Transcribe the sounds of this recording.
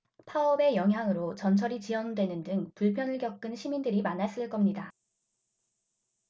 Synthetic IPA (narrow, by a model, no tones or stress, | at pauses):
pʰaʌbe̞jʌŋɦjaŋɯɾot͡ɕʌnt͡ɕʰʌɾit͡ɕiʌndwe̞nɯndɯŋpuɭpʰjʌnɯɭkjʌk͈̚ɯnɕʰimindɯɾimanas͈ɯɭk͈ʌmɲida